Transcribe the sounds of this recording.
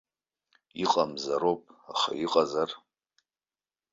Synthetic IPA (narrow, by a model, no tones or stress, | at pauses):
iqʼamzaɾopʼaχa̰iqʼazar